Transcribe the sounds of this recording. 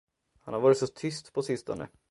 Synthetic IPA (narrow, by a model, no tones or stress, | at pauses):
hanhaɾvɑːɾɪt̪sɔt̪ʰʏst̪pʰɔsɪst̪ɔ̰nə̰